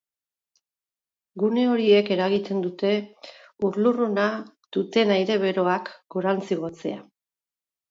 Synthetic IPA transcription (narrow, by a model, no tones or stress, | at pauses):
ɡune̞o̞ɾie̞ke̞ɾaɣit̪e̞nd̪ut̪e̞uɾluruna | d̪̥ut̪e̞najɾe̞β̞e̞ɾo̞akɡoɾant͡siɣ̞o̞t͡se̞̰a